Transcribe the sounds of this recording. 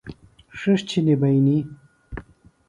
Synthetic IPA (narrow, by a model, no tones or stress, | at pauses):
ʂɐʂt͡ɕʰinibɐjni